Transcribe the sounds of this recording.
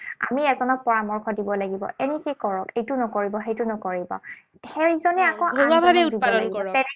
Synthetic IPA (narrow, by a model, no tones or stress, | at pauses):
a̰miɛzɔnɔk̚pɔɹamɔɹkʰɔdibɔlaɡibɔ̰ʔɛnikekɔɹɔkejtʊnɔkoɹibɔxejtʊnɔkoɹibɔ̰ | hɛɹizɔnɛakɔ̃aoɹabʱabɛudibaldɔaɡikɔɹɔtɛɹi